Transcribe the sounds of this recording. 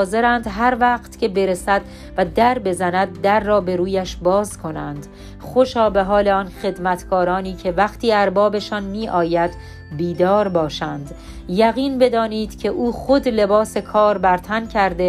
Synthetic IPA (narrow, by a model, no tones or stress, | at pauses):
ze̞ɾænd̪ɦæɾvæːqt̪cʰʲe̞be̞ɾesæd̪̥ | væd̪æɾbe̞zænæd̪̚ːæɾːɒːbe̞ɾuːjæʃbɒːzkʰo̞nænd̪̥ | χoʃɒːbe̞ɦɒːleɒnχe̞d̪mæt̪ʰɡɒːɾɒːniːcʰe̞væqt̪ʰiːæɾbɒːbe̞ʃɒnmiːʔɒːjæd̪ | biːd̪ɒːɾbɒːʃænd̪ | jæɣiːnbed̪ɒːniːd̪̥cʲʰe̞ʔuːxo̞d̪le̞bɒːse̞kʰɒːɾbæɾt̪ʰæncʰæɾd̪e